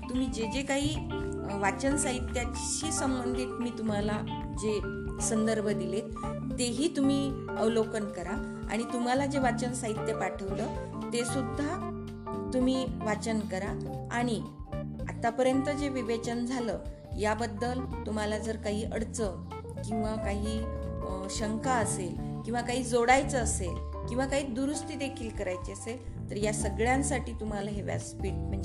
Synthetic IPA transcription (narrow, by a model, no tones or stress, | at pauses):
t̪um̤iːd͡ʑed͡ʑekaɦiː | ʋat͡ɕənsaɦit̪ːja | t͡ɕiːsəmbənd̪ʱiːt̪miːt̪um̤ala | d͡ʑe | sənd̪əɾbʱəd̪ilet̪ː | eɦiːt̪um̤iː | əʋlokənkəɾa | a̰ɽ̃it̪um̤alad͡ʑeʋat͡ɕənsaɦit̪ːjepaʈʰəʋlə | t̪esud̪ʱːa | t̪um̤iːʋat͡ɕənkəɾaaɽ̃i | a̰t̪apəɾjənt̪əd͡ʑeʋiʋet͡ɕənd͡zʱaləː | jabəd̪ːəlt̪um̤alad͡zəɾkaɦiːʔəɽt͡sə | kĩw̃ʋakaɦiː | ɕəŋkaəselkĩw̃ʋakaɦiːd͡zoɽajt͡səːsel | kĩw̃ʋakaɦiːd̪uɾust̪iːd̪ekʰiːlkəɾajt͡seəsel | t̪əɾjasəɡɭjãnsaʈiːt̪um̤alaɦeʋja̰spiːʈ̚m̤əɳd͡ʑe